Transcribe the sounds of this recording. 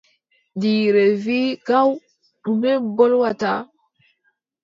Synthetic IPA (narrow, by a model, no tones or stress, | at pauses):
diːɾeviɡaw | ɗumɛbɔlwata